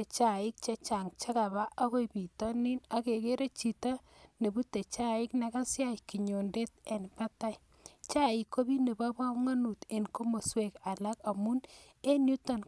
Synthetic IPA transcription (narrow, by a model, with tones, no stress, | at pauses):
e˨t͡ʃa˨ɪ˦k̚t͡ʃa˦t͡ʃa˨ŋt͡ʃa˦ka˨βa˦ʔa˦ko˦jbi˨tɔ˦nɪ˦na˦ke˨ke˦ɾe˦t͡ʃi˨ta˦ | ne˨bu˦te˨t͡ʃa˦ɪ˦kna˦ka˦sja˦ki˨ɲo˨nde˦te˨npa˦ta˦j | t͡ʃa˦ɪ˨kːo˦bi˦ne˨ba˦ba˦pŋa˦nu˨te˨nko˦mo˨swe˨ka˨la˦ka˨mu˦n | e˦nju˦ta˨n